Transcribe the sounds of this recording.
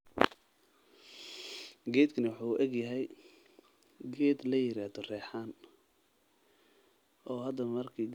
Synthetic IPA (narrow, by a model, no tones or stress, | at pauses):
ɡɛːd̪kʰɐnɐwʊħuːʔɛɡjɐɦɛj | ɡɛːd̪lɐjɪɾaːd̪ɔrɛːħaːn | ʔɔːɦɐd̪ːɐmɐrkʰiɡ